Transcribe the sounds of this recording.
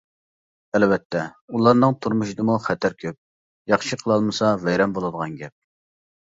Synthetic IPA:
ɛlvɛt̪ʰːɛulˠɑɾnɨŋt̪ʰuɾmuʃid̪əmuχæt̪ʰæɾkʲʰøp̚ | jɑχʃiqʰəlˠɑlˠmɨsɑvɛjɾɛmbolˠɨd̪əʁɑnɡʲɛp̚

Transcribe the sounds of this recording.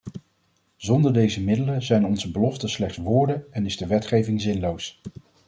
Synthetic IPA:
z̥ɔndəɹdejzəmɪdələzɛjnɔnzəbəlɔftəslɛχtsʋʊːɹdəɛnɪzdəʋɛtχejvɪŋzɪnlows

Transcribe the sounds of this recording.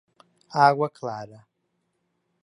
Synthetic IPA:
aːɡʷakʰlaːɾa

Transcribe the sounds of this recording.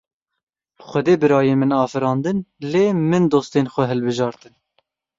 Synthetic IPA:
xʷɛd̪eːbɨɾɑːjeːmɨnɑːfɨɾɑːnd̪ɨnleːmɨnd̪oːst̪eːnxʷɛɦɛlbɨʒɑːɾt̪ɨn

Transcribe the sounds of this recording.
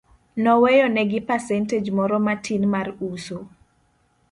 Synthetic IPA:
nɔwɛjɔnɛɡɪpɛsɛnted͡ʒmɔɾɔmatʰinmaruso

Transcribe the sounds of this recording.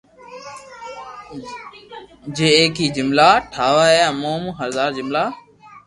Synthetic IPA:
d͡ʒeːeːkiːd͡ʒɪmlaːʈʰaːʋaːeːaːmoːmũːɦəɾd̪aːɾd͡ʒɪmlaː

